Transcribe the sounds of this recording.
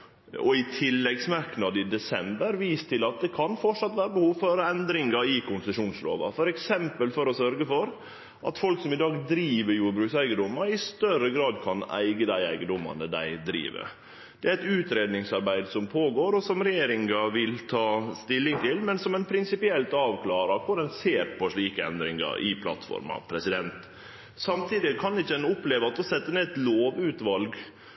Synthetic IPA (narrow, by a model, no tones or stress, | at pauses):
ɔɪt̪ʰɪlːɛɡsmɑɾknɑd̪ɪd̪ɛsɛmbəɾʋiːst̪ʰɪlɑt̪̚d̪ɛkʰɑnfɔʈʂɑt̪ːʋæːɾəbəhuːʋføːɾəɛnd̪ɾɪŋɑɪkʰʊnsəʂuːnslo̰ːʋɑ̰fɔɾɛksɛmpəlfɔɾɔsœɾɡəfɔɾ | ʔɑ̰t̪fɔlksɔmɪd̪ɑːɡd̪ɾiːʋəɾjuːɾbɾʉːksæɪɡəd̪ʊmːɑɾɪst̪œɾəɡɾɑːd̪kʰɑnæ̰ɪɡəd̪æɪæ̰ɪɡənd̪ʊmɑ̰nəd̪æ̰ɪd̪ɾḭːʋə̰ | d̪̥ɛæɾɛt̪ʉːt̪ɾeːd̪nɪŋsɑɾbæɪd̪sɔmpʰoːɡoːɾɔsɔmɾɛjeːɾɪŋɑʋɪlt̪ʰɑːst̪ɪlːɪŋt̪ʰɪlmɛnsɔmɛnpʰɾɪnsɪpɪɛlt̪ɑːʋkʰlɑːɾɑkʰʊɾɛnseːɾpʰɔʂɭiːkəɛ̰nd̪ɾɪ̰ŋə̰ɾʔɪ̰pʰlɑ̰t̪fɔ̰ɾmɑ̰pʰɾɛsɪd̪ɛnt̪ | sɑmt̪ʰiːd̪ɪkʰɑnɪçːəd̪ɛnʊpleːʋəɑt̪̚ɔsɛt̪ːəneːɛt̪loːʋʉːt̪ʋɑlɡ